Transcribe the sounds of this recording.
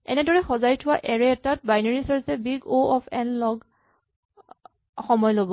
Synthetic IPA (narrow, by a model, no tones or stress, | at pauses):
ɛ̰nɛdɔɹɛxɔzajtʰʊwaʔɛɹɛɛtat̚bajnɔɹisɔɹsɛbiɡoɔpʰɛ̰nlɔɡ | xɔmɔjlobɔ